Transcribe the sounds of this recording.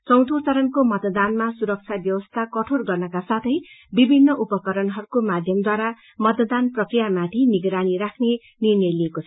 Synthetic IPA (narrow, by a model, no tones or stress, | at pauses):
t͡sʌw̃t̪ʰot͡saɾʌnkomʌt̪d̪anmasuɾʌk̚t͡sʰjabjʌwʌst̪ʰakʌʈʰorɡʌrnʌkasat̪ʰʌjbibʱinːʌʔupʌkʌɾʌnɦʌɾukomad̪ʱjʌmd̪waɾa | mʌt̪d̪anprʌkrijamat̪ʰiniɡɾaniɾakʰne | nirnʌjliekot͡sʰ